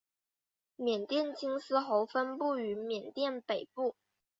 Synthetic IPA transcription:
mjɛ˨˩nt̪jɛ˥˩nt͡ɕi˥ŋsɹ̩˥xo˧˥ʊfə˥npu˥˩y˧˥mjɛ˨˩nt̪jɛ˥˩npe˨˩ɪpu˥˩

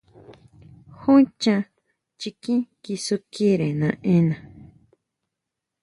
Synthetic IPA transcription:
hũ˦t͡ʃã˧ | t͡ʃi˧kĩ˦ki˧su˧ki˦ɾẽ˨nã˧ʔẽ˦nã˨

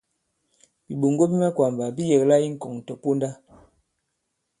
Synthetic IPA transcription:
bi˨ɓo˨ŋɡo˦bi˦mɛ˦kwa˨mba˨bi˦je˨kla˦i˦ŋ̩˨kɔ˨ŋ̩˨tɔ˨po˦nda˦

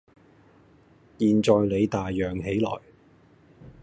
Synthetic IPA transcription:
jiː˨nt͡ʃɔː˨jle˨˧jt̪aː˨jːœː˨ŋɦe˨˥jlɔ̰ː˨˩j

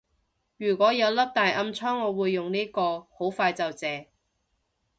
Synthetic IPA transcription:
jyː˨˩kʷɔː˨˥jɐ˨˧wlɐ˥p̚t̪aː˨jʔɐ˧mt͡sʰɔː˥ŋːɔː˨˧wuː˨˧jːʊ˨ŋniː˥kɔː˧ho˨˥wfaː˧jt͡sɐ˨wt͡sɛː˨˧

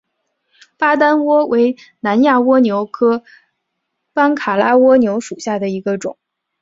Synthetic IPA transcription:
pa˥t̪̬a˥nwɔ˥wʔe˧˥ɪ | na˧˥nja˥˩wɔ˥njo˧˥ʊkʰɤ˥ | pa˥nkʰa˨˩la˥wɔ˥njo˧˥ʊʂu˨˩ɕja˥˩d̪ə˩i˧˥ɡə˧ʈ͡ʂʊ̰˨˩˦ŋ

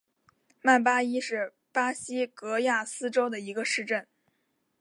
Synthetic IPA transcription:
ma˥˩npa˥i˥ʂɻ̩˥˩ | pa˥ɕi˥kɤ˧˥ja˥˩sɹ̩˥ʈ͡ʂo˥ʊd̪ə˨i˧˥ɡə˧ʂɻ̩˥˧ʈ͡ʂə˥˩n

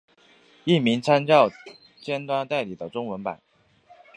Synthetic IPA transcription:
i˥˩mi˧˥ŋt͡sʰa˥nt͡ɕjɑ˥˩ʊ | t͡ɕjɛ˥nt̪wa˥nt̪a˥˩ɪli˨˩d̪ə˦ʈ͡ʂʊ˥ŋwə˧˥npa̰˨˩˦n

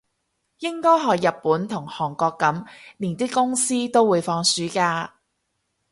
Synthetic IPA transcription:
jɪ˥ŋkɔː˥jɦɔː˨kjɐ˨t̚pːuː˨˥nt̪ʰʊ˨˩ŋhɔː˨˩ŋkɔː˧kːɐ˨˥mniː˨˩nt̪ɪ˥kːʊ˥ŋsiː˥t̪o˥wuː˨˧jfɔː˧ŋsyː˨˥kaː˧

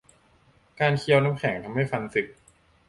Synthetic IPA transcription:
kaː˧nkʰi˧ɐwna˦˥p̚kʰɛ˩˦ŋt̪ʰa˧mːa˥˩jfa˧nsɯ˨˩k̚

